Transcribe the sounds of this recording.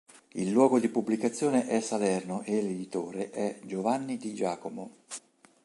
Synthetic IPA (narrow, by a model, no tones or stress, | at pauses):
ilːwɔːɡod̪ipublikat̪sːjoːneʔɛsːalɛrnoʔelːed̪it̪oːɾeʔɛd͡ʒovanːid̪id͡ʒaːkomo